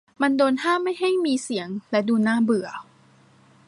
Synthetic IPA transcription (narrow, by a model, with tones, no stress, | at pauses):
ma˧ndoː˧nhaː˥˩ma˥˩jɦa˥˩jmiː˧si˨˩˦ŋlɛ˦˥duː˧naː˥˩bɯ˨˩ɐ